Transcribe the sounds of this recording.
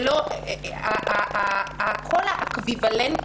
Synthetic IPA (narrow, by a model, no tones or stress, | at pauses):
loaʔaakʰolhaʔakvivalen